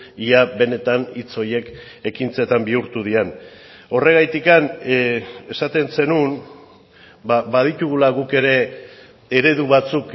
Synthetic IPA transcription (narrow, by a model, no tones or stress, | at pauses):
iaβe̞ne̞t̪anit͡so̞je̞k | e̞kint͡se̞t̪ambiuɾt̪uðian | o̞re̞ɣajt̪ikan | e̞sat̪e̞nse̞nun | baβaðit̪uɣ̞ulaɣuke̞ɾe̞ | e̞ɾe̞ðuβat͡suk